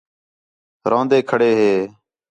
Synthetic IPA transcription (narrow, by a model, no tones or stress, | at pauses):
ɾʔãːnd̪eːkʰəɽeːɦeː